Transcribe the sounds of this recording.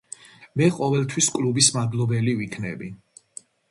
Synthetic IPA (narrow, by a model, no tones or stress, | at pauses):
mɛqʼɔvɛlˠt̪ʰwiskʼlubismad̪lˠɔbɛlivikʰnɛ̰bi